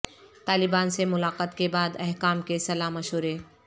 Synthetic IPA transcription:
t̪aːlɪbaːnsemʊlaːqət̪kebaːd̪ɛɦkaːmkesɐlaːmɐʃɦuːɾe

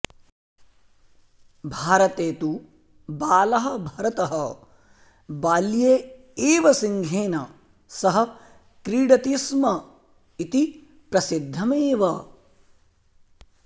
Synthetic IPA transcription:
bʱaːɾɐt̪eːt̪u | baːlɐɦɐ̆bʱɐɾɐt̪ɐɦɐ | baːljeː | eːʋɐsiŋɡʱeːnɐ | sɐɦɐ̆ | kɾiːɽɐt̪ismɐ | it̪i | pɾɐsid̪ʱːɐmeːʋɐ

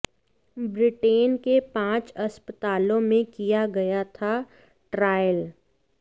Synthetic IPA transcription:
bɾɪʈeːnkepãːt͡ʃɐspət̪aːlõmẽkijaɡɐjat̪ʰa | ʈɾaːjəl

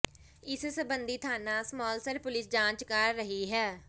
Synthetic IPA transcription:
ɪssəbənd̪iːt̪ʰaːnãːsmɔːlsəɾpʊlɪsd͡ʒãːɲt͡ʃkəɾːəɦiːɦɛː

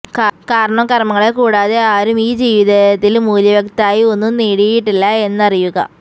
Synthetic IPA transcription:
kkaːɾɐɳɐmkɐrɐmɐŋːɐɭekuːɽaːðe̞aːɾumiːd͡ʑiːʋiðɐt̪ːilmuːljɐʋjɐkt̪aːjio̞nːumniːɽijiʈːilːɐe̞nːɐrijuɣɐ̰

